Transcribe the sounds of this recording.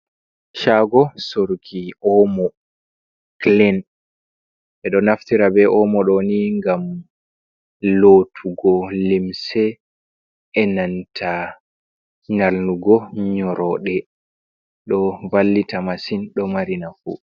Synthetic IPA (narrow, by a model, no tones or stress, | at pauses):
ʃaɡɔsoɾkʰiɔmɔ | klɛn | ɓɛɗɔnaftiɾabɛʔɔmɔɗɔniŋɡam | lotʰuɡɔlimsɛ | ɛnantʰa | ɲalnuɡɔɲɔɾɔɗɛ | ɗɔvalːitamasinɗɔmaɾinafu